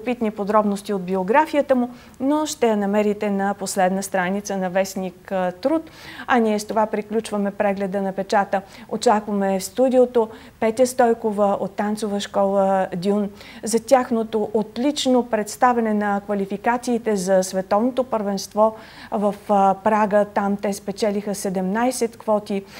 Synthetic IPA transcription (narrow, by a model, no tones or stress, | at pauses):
opit̪nipod̪ɾɔbnost̪iod̪bioɡɾafijət̪əmʊ | noʃt̪ɛjɐnɐmɛɾit̪ɛnɐposlɛd̪nəst̪ɾanit̪sənɐvɛsnikt̪ɾut̪ɐniɛst̪ovapɾiklʲut͡ʃvəmɛpɾɛɡlɛd̪ənɐpɛt͡ʃat̪ə | ot͡ʃakvɐmɛfst̪ud̪ʲiot̪o | pɛt̪ʲɛst̪ɔjkovəot̪ːant̪sovəʃkɔlˠəd̪ʲunzɐt̪ʲjaxnot̪oʔot̪lʲit͡ʃnopɾɛt̪st̪avʲɛnɛnɐkvɐlifikat̪siːt̪ɛzɐsvɛt̪ɔvnot̪opəɾvɛnst̪vɔ | vɐfpɾaɡət̪amt̪ɛspɛt͡ʃɛlixəsɛd̪ɛmnajsɛt̪kvɔt̪i